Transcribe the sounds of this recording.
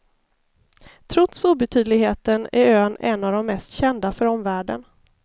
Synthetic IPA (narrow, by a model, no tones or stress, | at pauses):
t̪ʰɾɔt̪suːbɛt̪ʰyːd̪lɪɡɦeːt̪ənæ̰ɾøːnɛ̰nːavd̪ɔmːɛst̪ɕɛnd̪afœɾɔmvæːɖə̰n